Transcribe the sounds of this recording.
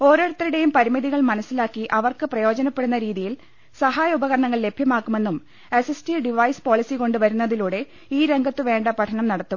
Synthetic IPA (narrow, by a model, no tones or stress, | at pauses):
o̞ːɾo̞ːɽut̪ːɐɾiɽe̞jumpɐɾimɐðiɣɐɭmɐnɐsːilaːkːiʔɐʋɐrkɨprɐjo̞ːd͡ʑɐnɐpːe̞ɽunːɐɾiːðijil | sɐɦaːjɐubɐɣɐɾɐɳɐŋːɐɭle̞bʱjɐmaːkːume̞nːum | esestiɖiʋɐjspo̞ːɭisiko̞ɳɖɨʋɐɾunːɐðiluːɽe̞ | iːɾe̞ŋɡʱɐt̪ːɨʋe̞ːɳɖɐpɐʈʰɐnɐmnɐɽɐt̪ːu